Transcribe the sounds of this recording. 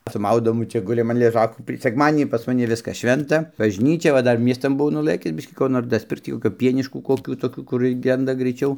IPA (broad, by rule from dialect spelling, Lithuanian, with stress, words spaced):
sʊ ˈmɐʊdoːmʊ ˈt͡ʃʲɛ ˈɡʊlʲɪm ɐn lʲɛˈʒɑːkuː tɐɪ sʲɛkˈmɑːdʲɪnʲiː pɐs mɐˈnʲɪ ˈʋʲɪskɐs ˈʃʲʋʲɛntɐ bɐʒʲˈnʲiːt͡ʃʲɛ ʋɐ ˈdɐr ˈmʲiɛstɐn bʊˈʋɐʊ nʊˈlˠɘkʲɪs ˈbʲɪʃʲkʲiː ˈkoː noːr dɐsʲˈpʲɪrkt͡s ˈtʲiː koːˈkʲoː ˈpʲiɛnʲɪʃkuː koːˈkʲuː toːˈkʲuː kʊr ˈɡʲɛndɐ ɡrɐɪˈt͡ʃʲɛʊ